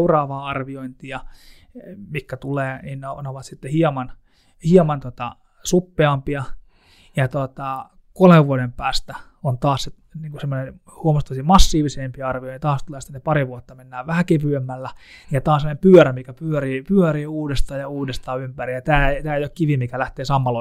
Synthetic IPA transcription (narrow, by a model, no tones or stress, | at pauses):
urɑːʋɑːɑrʋioint̪iɑ | mikːæt̪uleːninneoneoʋɑt̪sit̪ːehiɑmɑn | hiɑmɑnt̪ot̪ɑ̰ | supːeɑmpiɑ | jɑt̪ot̪ɑ | koleʋʋuodempæːst̪æ | ont̪ɑːsse | niːŋkusemːonen | huomost̪ːosimɑsːiːʋiseːmpiɑrʋijoint̪ɑːst̪uleːsit̪ːenepɑɾiʋuot̪ːɑmenːæːʋʋæhækepyemːælːæ | nijɑt̪ɑːsemonempyœɾæmikæpyøriːpyøɾiːuːdest̪ɑːjɑuːdest̪ɑːympærijjɑt̪æːet̪æːeijokkiʋimikælæht̪eːsɑmːɑlo